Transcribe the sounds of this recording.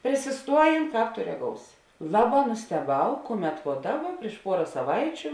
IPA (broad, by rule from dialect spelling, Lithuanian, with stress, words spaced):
pʲrʲɪsʲɪˈstuɔjeːn ˈkɑːp toː rʲɛˈɡoːʊsʲɪ ˈlˠɑːˌbɑː nʊsʲtʲɛˈbɐʊ ˈkʊˌmʲɛt ʋoː ˈdɑːˌbɐ pʲrʲiɛʃ ˈpuɔrɐ sɐˈʋɐɪt͡ʃʲʊ